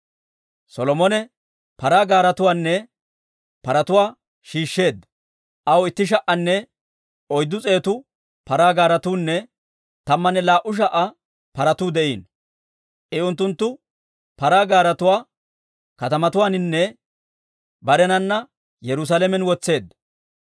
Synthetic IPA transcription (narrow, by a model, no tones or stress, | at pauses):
sɔlɔmɔnɛ | pɐɾaːɡaːɾɐt̪ʊwaːnːɛ | pɐɾɐt̪ʊwaː | ʃiːʃːe̞ːd̪ːɐ | ʔɐwɪt̪ːɪʃ̬ɐʔːɐnːɛ | ɔjd̪ːʊt͡sʼe̞ːt̪ʊ | pɐɾaːɡaːɾɐt̪uːnːɛ | t̪ɐmːɐnɛlaːʔʊʃ̬ɐʔɐ | pɐɾɐt̪uːd̪ɛʔiːn | ʔɪʊnt̪̬ːʊnt̪ːʊ | pɐɾaːɡaːɾɐt̪ʊwaː | kɐt̪ɐmɐt̪ʊwaːnɪnːɛ | bɐɾɛnɐnːɐ | jɛɾʊs̬aːlɛmɛnwɔt͡sːe̞ːd̪ːɐ